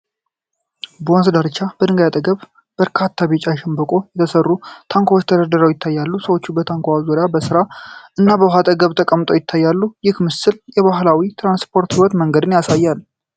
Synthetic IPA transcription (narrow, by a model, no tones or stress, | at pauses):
bonsd̪aɾt͡ʃːab̥əd̪ɨŋɡajat̪ʼəɡəβ | b̥əɾkʰat̪ʰːabet͡ʃʼajʃɛmbəkʼo̞jɛt̪ʰəsərːut̪ʰaŋkʷawot͡ʃːt̪ʰəd̪əɾd̪əɾəwjɪt̪ʰːajːalːusəwo̞t͡ʃːubət̪ʰaŋkʷaazoɾjabəsɨɾaʔɨnːabəɦat̪ʼəɡəβt̪ʰəkʼəmːɨt̪ʼo̞jɪt̪ʰːajːalːujɪkmɨsɨljɛβaɦlawit̪ʰɾanspʰo̞ɾt̪hiwɔt̪məŋɡəd̪ɨnjasajːalː